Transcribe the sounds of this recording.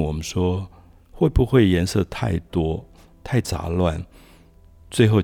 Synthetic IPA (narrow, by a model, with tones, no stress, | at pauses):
wɔ˨˩mə˦nʂwɔ˥ | xwe˥˩ɪbu˥˧xwe˥˩ɪjɛ˧˥nsɤ˥˧t̪ʰa˥˩ɪt̪wɔ˥ | t̪ʰa˥˩ɪt͡sa̰˧˥lwa˥˩n | t͡swe˥˧ɪxo˥˧ʊ